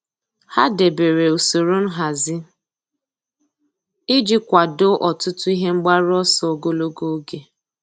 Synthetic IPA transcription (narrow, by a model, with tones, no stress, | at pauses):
ha˦de˨be˨ɾe˨o˨so˨ɾo˦n̩˦ɦa˨zɪ˦ | i˦d͡ʒi˦kʷa˨do˦ʔɔ˨tʊ˦tʊ˦i˦ɦe˦ŋ͡m̩˦ɡ͡ba˦ɾɔ˦sɔ˨o˨ɡo˦lo˦ɡo˦ɡe˨